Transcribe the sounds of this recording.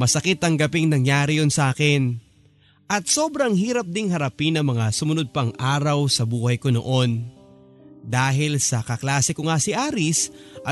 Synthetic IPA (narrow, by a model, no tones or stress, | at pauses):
mɐsɐkɪt̪ːɐŋɡɐpɪŋnɐŋjaːɾɪjonsɐʔaːkɪn | ʔɐt̪̚so̞ːbɾɐŋhiːɾɐp̚d̪ɪŋɦɐɾɐpɪnɐŋmɐŋasʊmʊnod̪̚pɐŋʔaːɾɐwsɐbuːhɐjkono̰ʔo̞n | d̪aːɦɪlsɐkɐklaːsɪkoŋasɪʔaːɾɪsʔɐ